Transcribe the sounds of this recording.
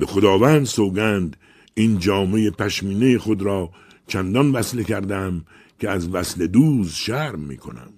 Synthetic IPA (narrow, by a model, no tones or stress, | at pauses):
bexod̪ɒːvænd̪soːɡænd̪ | iːnd͡ʒɒːme̞jepʰæʃmiːnejexod̪ɾɒː | t͡ʃʰænd̪ɒnvæslekʰæɾd̪æm | kʲʰeæzvæsle̞d̪uːzʃæɾmːḭːkʰo̞̰næ̰m